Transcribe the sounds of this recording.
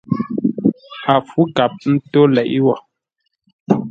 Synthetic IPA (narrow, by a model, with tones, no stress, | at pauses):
a˨fu˦ka˨p̚n̩˦to˦lɛ˨ʔi˦wɔ˨